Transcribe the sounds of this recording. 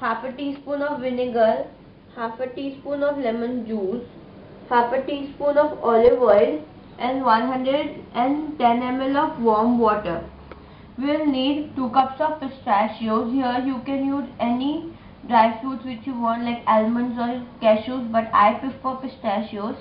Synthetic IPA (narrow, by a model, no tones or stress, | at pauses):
haːpəʈiːspõːnɔːʋʋɪnɪɡəɾ | hafəʈiːspõːnɔʋlɛmə̃nd͡ʒuːz | hapəʈiːspoːnɔːʋɔːlɪʋɔɪl | ʔɛ̃nʋʌ̃nɦʌ̃ɳɖɾeɖɛ̃ɳʈɛ̃nɛmɛlɔːfʋɔːɾmʋɔːʈəɾ | ʋiʋɪlniːɖʈuːkʌpsɔːʋpɪsʈaʃioːzɦiəɾjuːkɛ̃njuːzɛni | ɖɾaɪfuːɖsʋɪt͡ʃjuːʋɔ̃ːɳʈlaɪkɛlmə̃nzɔːkɛʃoːzbɐʈa̰ɪpɪffɔpɪsʈaʃioːz